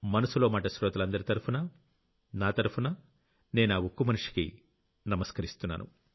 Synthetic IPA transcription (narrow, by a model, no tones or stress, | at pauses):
mɐnɐsuloːmaːʈɐʃɾɔːt̪ɐlɐnd̪ɐɾit̪ɐɾupunɐ | naːt̪ɐɾupunɐ | ne̞ːnaːwukːumɐnuʂi̥kḭ | nɐmɐskɐɾist̪unːa̰ːnṵ